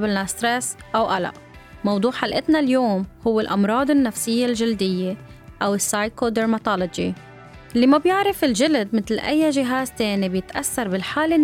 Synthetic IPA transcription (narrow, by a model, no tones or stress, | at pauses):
bɪlnast̪ɾɛsʔawʔala̰ʔ | mɑwd̪ˤuːʕħalʔɪt̪naljoːmhʊwːɪlʔɑmɾˤɑːd̪ɪnːafsɪjːelʒɪld̪ɪjːe | ʔawɪsːajkod̪eɾmat̪ɑlod͡ʒi | lːimabjɪʕɾɪfɪlʒɪlad̪mɪt̪lʔa̰jːaʒɪɦaːzt̪eːnibjɪt̪ʔaθːɑɾˤbɪlħaːlɪ